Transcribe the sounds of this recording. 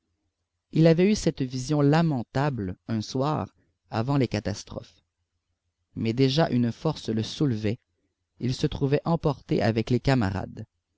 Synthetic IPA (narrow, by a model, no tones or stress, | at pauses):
ilavɛysɛt̪vizjɔ̃lamɑ̃t̪ablœ̃swa̰ːʁ | avɑ̃lekat̪ast̪χɔ̰f | mɛd̪eʒaʔynfɔʁsləsulvɛ | ilsət̪χuvɛʔɑ̃pɔʁt̪ḛʔavɛklekama̰ʁa̰d̪